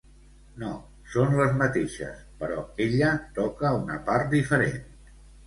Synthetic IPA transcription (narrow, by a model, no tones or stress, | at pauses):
no | sonləzmət̪eʃə̰spəɾɔeʎət̪ɔkəunəpaɾt̪̚d̪ifəɾen